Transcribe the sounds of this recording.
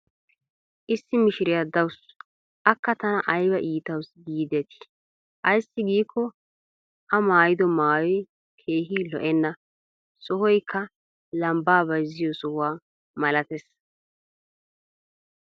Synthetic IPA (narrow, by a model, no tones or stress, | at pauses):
ʔɪsːɪmɪʃɪɾɪjad̪ɐws | ʔɐkːɐt̪ɐnɐʔɐjbɐʔiːt̪ɐwsɡiːd̪ɛt̪ɪ̥ | ʔɐjsːɪɡiːkʰːɔ | ʔɐmaːjɪd̪ɔmaːjɔj | kʰe̞ːɦilɔ̰ʔɛnːɐ | sɔhɔjkʰːɐ | lɐmbaːbɐjzɪjɔsɔhʊwaː | mɐlɐt̪ɛs